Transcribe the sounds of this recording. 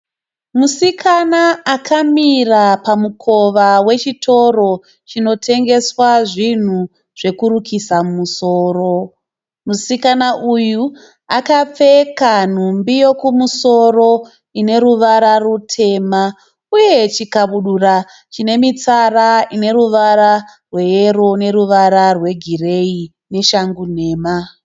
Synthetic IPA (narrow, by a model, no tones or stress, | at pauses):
musikʰanaakʰamirapamukʰo̞ʋawe̞t͡ʃitʰo̞ro̞ | t͡ʃino̞tʰe̞ŋɡe̞swaʐin̤u | ʐ̥e̞kuɾukʰisamumuso̞ːɾo̞ | musikanaʔuju | akap͡fe̞kan̤umbijo̞kumuso̞ro̞ | ine̞ɾuʋaɾarutʰe̞ːma | uje̞t͡ʃikaɓuɗura | t͡ʃine̞mit͡saraine̞ɾuʋaɾarwe̞jeɾone̞ɾuʋaɾarwe̞ɡʱire̞i | ne̞ʃaŋɡun̤e̞ːma